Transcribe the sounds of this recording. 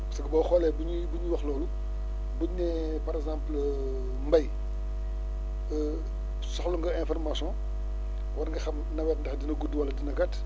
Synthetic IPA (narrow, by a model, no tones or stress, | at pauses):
sɐɡɐbɐxɔlɛbuɲibuɲuwɐxlɔːlu | buɲnɛ | pɐɾɛɡzãmpl | mbɐj | sɔxluŋɡɐɛ̃fɔrmasjɔ̃ | wɐɾŋɡɐxɐmnɐwɛtndɛxdinɐɡuduwɐlɐdinɐɡɐt